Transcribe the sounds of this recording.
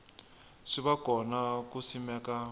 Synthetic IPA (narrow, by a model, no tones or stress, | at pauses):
ʂiβakɔnakusimɛːka